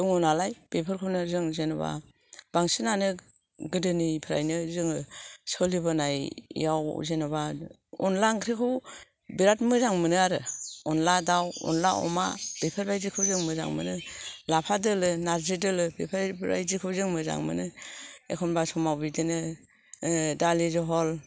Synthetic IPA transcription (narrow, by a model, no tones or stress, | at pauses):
duŋɔnalajb̥epʰɯɾkʰɯnɯzɯŋzenɔba̰ | b̥aŋsɯnanɯ | ɡɯdɯnipʰɯɾa̰jnɯzɯŋɯsɔlibɯnaj̰jawzenɯba | ɔnlaŋkʰɾikʰɯw | biɾat̚mɯzaŋmɯnɯaɾɯɔnladawɔ̰nlaʔɔ̰ma̰b̥epʰaɾbajzikʰɯwzɯŋmɯza̰ŋmɯ̰nɯlapʰadɯlɯnaɾzɯdɯlɯbepʰaɾbba̰jzikʰɯzɯŋmɯza̰ŋmɯ̰nɯekʰɔnbasɔmawbidɯnɯ | dalizɯɦɔl